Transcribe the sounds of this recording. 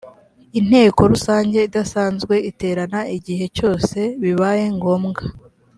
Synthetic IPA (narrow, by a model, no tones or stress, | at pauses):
in̥he̞ːko̞ɾusaːɲɟe̞idasaːnzɡwe̞ite̞ːɾanaiɟihe̞co̞ːse̞βiβaje̞ŋɡo̞ːmɡa